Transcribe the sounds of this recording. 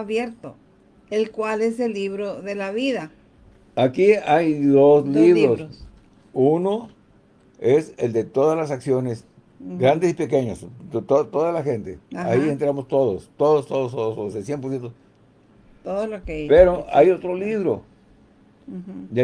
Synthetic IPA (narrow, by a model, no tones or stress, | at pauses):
aβjeɾt̪o | elkwale̞selːiβɾoðe̞laβiða | akiajðosliβɾos | uno | eseld̪et̪o̞ðazlasaksjo̞nes | ɡɾand̪esipe̞keɲost̪ot̪oðalaxent̪ḛaient̪ɾamost̪oðost̪oðost̪oðost̪oðososesjempoɾsjent̪o | t̪oðolokepeɾoajot̪ɾoliβɾo | a